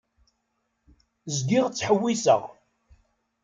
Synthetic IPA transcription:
zɡiʁt͡sːħəwːisə̰ʁ

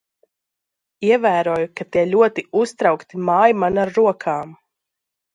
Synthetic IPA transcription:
iɛvæːɾuːjukat̪iɛlʲuɔt̪iust̪ɾawkt̪imaːjimanaɾːuɔkʰaːm

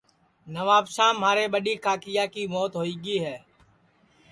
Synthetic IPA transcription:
nəʋaːpsãːmaːɾeːɓəɗiːkʰaːkɪjaːkiːmoːt̪ɦoːiːɡiːɦɛː

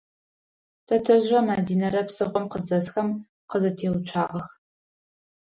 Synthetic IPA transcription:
tʰɐtʰɐʑɐmaːdiːnɐɾɐpsɨʁʷɔmqəzɐsxɐm | qəzɐtʰeːwt͡ʃʷʰaːʔɐx

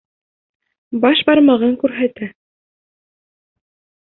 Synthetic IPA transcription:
bɑʃbɑɾmɑʁɑŋkʉɾɦæt̪æ

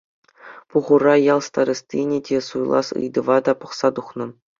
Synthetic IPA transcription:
puʁurɑjɑlˠst̪ɑɾʲɤ̆sʲt̪ʲinʲedʲesujlˠɑ̰sɯ̰jd̪ɤ̆ʋɑd̪ɑpɤ̆χsɑt̪uχnɤ̆

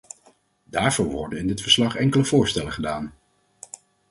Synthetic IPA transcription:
daːɹv̥ʊːɹʋɔ̰ɹdənɪndɪtfəɹslɑχɛŋkələvʊːɹstɛləχədaːn

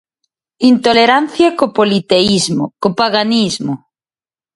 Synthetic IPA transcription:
int̪oleɾan̟θjakopolit̪eizmokopaɣanizmo

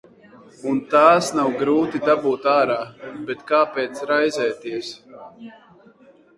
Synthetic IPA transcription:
unt̪aːsnawɡɾuːt̪id̪abuːt̪aːɾaːbɛt̪kaːpɛːt̪sɾajzɛːt̪iəs

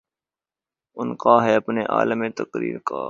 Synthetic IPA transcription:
ʊnkaːɦɛːɐpneːʔa̰ːləmẽːt̪əkɾḭːɾka̰ː

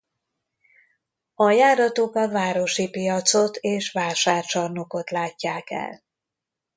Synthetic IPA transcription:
ɒjaːɾɒt̪oːkɒlvaːɾo̞ʃipijɒt̪so̞t̪ʰeːʃvaːlʃaːrt͡ʃɒrnoko̞t̪laːcːaːkɛ̰l

